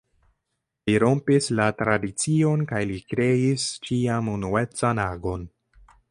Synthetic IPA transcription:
liɾo̞mpislatɾadit͡sio̞nkajlikɾe̞ist͡ʃiamunue̞t͡sanaɡo̞n

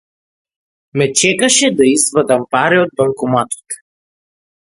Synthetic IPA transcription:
mɛt͡ʃɛkaʃɛd̪aizvəd̪ampaɾɛod̪̚balˠkomat̪o̥t̪

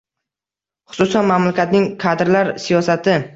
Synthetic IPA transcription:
χʊ̥sʊsanmamlakʲat̪nɪŋkʰad̪ɾlaɾsijɒsat̪ʰɪ

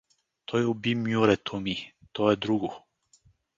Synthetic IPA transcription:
t̪ʰojɛubimjuɾɛt̪ʰɔmit̪ojɛd̪ɾuɡu

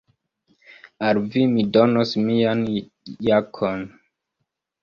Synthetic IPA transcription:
aɾvimidonosmian | jakʰon

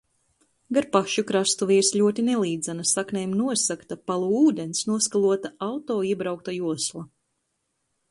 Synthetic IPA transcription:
ɡaɾpaʃukɾast̪uvʲiːɾsʎʲuɔt̪̬ʲinɛlˠiːd̪zɛnasaknʲɛjmnuɔsakt̪apalˠuuːd̪ʲensnuɔskalˠuɔt̪aawt̪ɔːiɛbɾawk̚t̪ajuɔslˠa

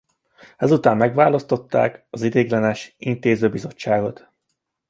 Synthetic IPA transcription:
ɛzut̪aːmːɛɡʋaːlɒst̪o̞t̪ːa̰ːkɒzid̪eːɡlɛnɛʃint̪eːzøːbizo̞t͡ʃːaːɡo̞t̪

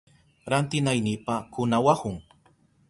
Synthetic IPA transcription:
ɾant̪ɪnajnipakʊnawahʊŋ

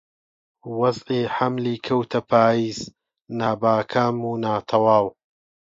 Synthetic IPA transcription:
wɐzʔiːħamliːkʰɐwt̪ʰɐpʰaːjiːz | naːbaːkʰaːmuːnaːt̪ʰɐwaːw

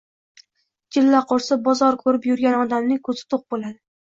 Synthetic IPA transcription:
d͡ʒɪlːaqʰoɾsɪbɒzɒɾkʰɵɾɪpjʊɾɡʲanɒd̪amnɪkʰɵzɪ̥t̪ʰoq̚bolad̪ɪ

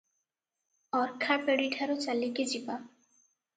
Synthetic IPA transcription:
ɔɾkʰapeɽiʈʰaɾot͡ɕaliked͡ʑipa

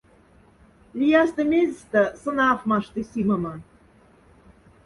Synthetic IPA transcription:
lʲijɑst̪əmʲezʲst̪ə̆sɤ̆nɑfmɑʃt̪isiməmɤ̆

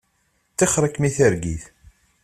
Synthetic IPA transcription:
t͡sːiχɾˤəkmiθəɾɡḭθ

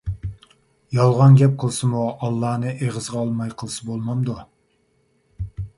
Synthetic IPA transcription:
jɑlˠʁɑnɡʲɛp̚qʰəlˠsɨmuɑlˠːɑːnɨʔeʁəzʁɑːlˠmɑjqʰəlˠɨsɨbolˠmɑmd̪u

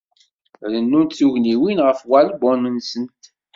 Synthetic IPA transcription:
ɾənːunt̪θuʝniwinʁəfwælbɔnənsənt̪

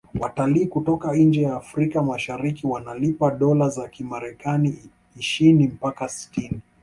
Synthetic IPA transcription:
wataliːkutɔkaind͡ʒɛjaːfɾikamaʃaɾikiwanalipaɗɔlazakimaɾɛkani | iʃinim̩pakasi̥tini

